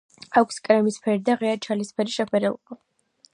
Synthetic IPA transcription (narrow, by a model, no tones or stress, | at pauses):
akʷʰskʼɾɛmispʰɛɾid̪aʁɛat͡ʃʰalispʰɛɾiʃɛpʰɛɾɛlˠba